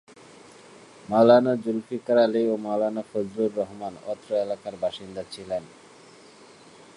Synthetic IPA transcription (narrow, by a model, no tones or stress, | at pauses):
malanad͡ʑulfikaɾaleomalanafod͡ʑɾuɾːɔɦmanɔ̰t̪ːɾoelakaɾbaʃind̪at͡ɕʰilen